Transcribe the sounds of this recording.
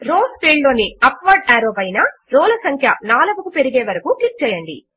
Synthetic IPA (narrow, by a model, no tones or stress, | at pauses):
ɾoːspeːɖlo̞ːniɐpʋaːɾɖaːɾoːbɐjnaɾɔːlɐsɐŋkʰjɐnaːlɐbukupe̞ɾiɡeːʋɐɾɐkuklik̚t͡ʃɛːjɐɳɖḭ